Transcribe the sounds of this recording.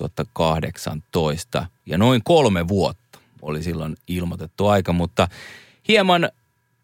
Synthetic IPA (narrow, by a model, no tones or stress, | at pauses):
uɑt̪ːɑkɑhdeksɑ̰nt̪oist̪ɑ̰jɑnoiŋkolmeʋuot̪ːɑ̥ | o̰lisilːonilmot̪et̪ːuɑikɑmut̪ːɑ | hiemɑn